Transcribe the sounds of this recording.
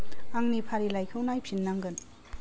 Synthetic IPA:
aŋnipʰaɾilajkʰɯwnajpʰinːaŋɡɯn

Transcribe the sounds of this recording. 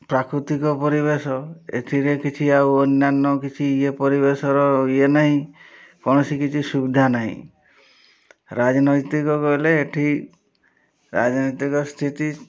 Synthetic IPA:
pɾakɾut̪ikɔpɔɾibesɔḛʈʰiɾekit͡ʃʰiawɔnːanːɔkit͡ʃʰiepɔɾibesɔɾɔienaɦĩkɔɽ̃ɔsikit͡ʃʰisubid̪ʱanaɦḭ̃ | ɾad͡ʒɔnɔjt̪ikɔkɔɦileːʈʰi | ɾa̰d͡ʒɔnit̪ikɔst̪ʰit̪i

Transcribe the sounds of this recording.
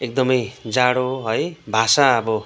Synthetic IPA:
ek̚d̪ʌmʌjd͡zaɽoɦʌjbʱasaʌbʌ

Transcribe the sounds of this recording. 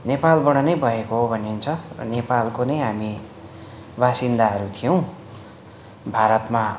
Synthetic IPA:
nepalbʌɽ̃ʌnʌjbʱʌekoɦobʱʌneunt͡sʰʌrʌ̰nepalkonʌjɦami | basind̪aɦʌɾut̪ʰijʌw̃ | bʱaɾʌt̪ma

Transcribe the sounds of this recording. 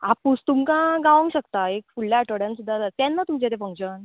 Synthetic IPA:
apust̪umkãɡaʋə̃ŋɡɕəkt̪aek̚fuɭːjaːʈəɽjãnsud̪ʱːatat̪janːat̪umt͡ɕet̪efə̃ŋɕən

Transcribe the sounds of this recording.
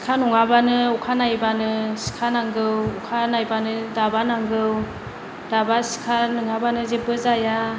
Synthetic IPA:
si̥kʰanuŋabanɯukʰanajbanɯsi̥kʰanaŋɡɯwukʰanajbanɯdabanaŋɡɯw | d̥abasi̥kʰanuŋabanɯzebɯzaja

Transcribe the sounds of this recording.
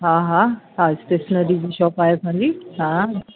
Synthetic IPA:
ɦãɦãɦãst̪esnəɾid͡ʑiɕɔːpaːjepʰãd͡ʑiɦã

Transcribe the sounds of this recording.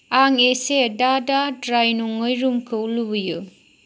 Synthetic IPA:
aŋesedadadɾajnuŋːɯjɾumkʰɯulubɯjɯ

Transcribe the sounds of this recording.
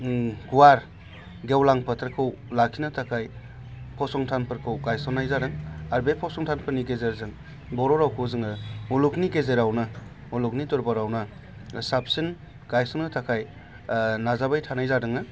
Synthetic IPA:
ɡuwaɾ | ɡewlaŋpʰɐtʰɾkʰɯwlakʰinatʰakʰaj | pʰɔsɔŋtʰanpʰɯɾkʰɯwɡajsɔnajzadɯŋaɾbepʰɔsɔŋtʰanpʰɯɾniɡezeɾzɯŋ | bɔɾɔɾawkʰɯwzɯŋɯmulukniɡezeɾawnɯ | muluknitɔɾbaɾawna | sap̚sin | ɡ̥ajsɔnɯtʰakʰaj | nazabajtʰanajzadɯŋɯ

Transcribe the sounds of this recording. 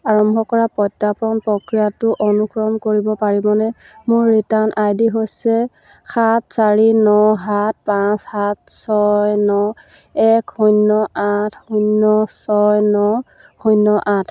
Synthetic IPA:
aɹɔmbʱɔkɔɹapɔjtːapɹɔnpɹɔkɹijatʊʔonukɹɔmkoɹibɔpaɹibɔnɛ | mʊɹːitanʔajdiɦosɛ | xat̚ʰsaɹinɔɦat̚ʰpãshat̚ʰsɔjnɔ | ɛkhujnːɔatʰhunːɔsɔjnɔ | hujnːɔʔãtʰ

